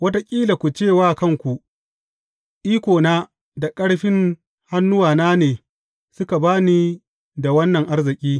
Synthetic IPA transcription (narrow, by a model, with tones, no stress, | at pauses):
wɐ˦ta˦kʲʼiː˦la˨kʷu˨t͡ʃeː˦˨waː˦kɐ˦˨ŋkʷu˨ʔ | ʔiː˦kʷoː˨naː˦ | da˨kʼɐ˦ɽɸɪ˦ŋ | ha˦nːʊ˦waː˨naː˦neː˨ | sʊ˦ka˨baː˦niː˦ | da˨wɐ˦nːɐ˨ŋʔa˦rzɪ˨kʲʼiː˦